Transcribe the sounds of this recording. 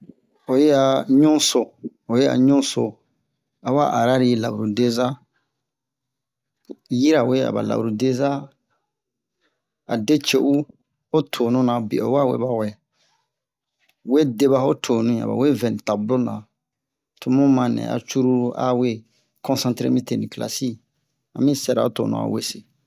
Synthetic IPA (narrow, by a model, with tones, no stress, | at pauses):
o˨je˦a˨ɲũ˦so˨ | o˨je˦a̰˨ɲũ˦so˨ | a˨wa̰˦ʔa˨ɾa˦ɾi˦˨la˨u˨ɾu˨de˦za˦ | ji˦ɾa˨we˦a̰˨ba̰˨la̰˨u˨ɾu˨de˦za˦ | a̰˨de˦t͡ʃe˦˨ʔu˦ | o˦tʰo˨nũ˦nã˨bḛ˨o̰˨˦wa˦wḛ˦ba˦wɛ˨ | we˦de˦βa˦ho˦tʰo˨nũ˦ĩ˨a̰˨ba̰˨we˦vɛ˨nĩ˨ta˨blo˦nã˨ | tʰo˦mũ˦mã˧˨nɛ̰̃˨a̰˨t͡ʃu˦ɾu˦ɾu˦ʔa̰˦we˦ | kɔ̃˦sã˦tɾḛ˦mĩ˦te˨nĩ˨kla̰˨si˦ | a̰˨mĩ˦sɛ˦ɾa̰˨o˦to̰˨nṵ̃˦˨a̰˨we˦se˨